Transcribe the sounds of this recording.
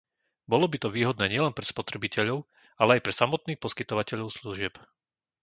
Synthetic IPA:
bɔlɔbit̪ɔʋiːɦɔd̪nɛːɲɪɛlɛnpɾɛspɔt̪ɾɛbicɛʎɔʊ | alɛajpɾɛsamɔt̪̚niːxpɔskit̪ɔʋacɛʎɔʊsluʒɪɛp

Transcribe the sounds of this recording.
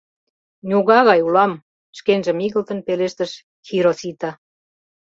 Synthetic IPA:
nʲuɣɑɣɑjulɑm | ʃkenʒə̆miɣə̆lt̪ə̆npeleʃt̪ə̆ʃ | xiɾosit̪ɑ

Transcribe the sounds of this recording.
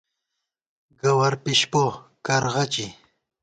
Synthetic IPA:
ɡawaɾpɪʃpokaɾʁɑt͡ʃi

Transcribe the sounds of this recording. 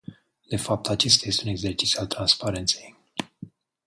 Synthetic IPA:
d̪̥e̞fap̚t̪at͡ʃe̞s̬t̪aje̞st̪euneɡze̞rt͡ʃit̪sʲiualt̪ɾanspaɾe̞nt̪se̞j

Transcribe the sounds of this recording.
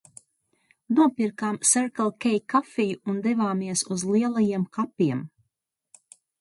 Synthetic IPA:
nuɔpiɾkaːmsɛɾkalˠkʲɛjkafijuund̪ɛvaːmiɛsuzliɛlˠajiɛmkapʲːiɛm

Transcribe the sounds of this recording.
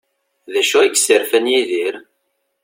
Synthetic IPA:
ðæʃuiɡsəɾfənjiðiɾ

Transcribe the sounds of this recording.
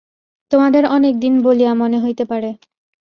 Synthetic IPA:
t̪omad̪eɾɔnek̚d̪inboliamoneɦojt̪epaɾe

